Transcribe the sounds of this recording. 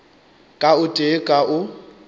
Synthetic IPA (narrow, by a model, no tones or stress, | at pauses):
kʼaʊtʼekʼaʔʊ